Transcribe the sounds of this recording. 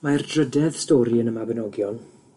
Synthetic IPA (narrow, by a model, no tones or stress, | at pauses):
mardrədɛð̥stɔːɾiənəmabənɔɡjɔlˠ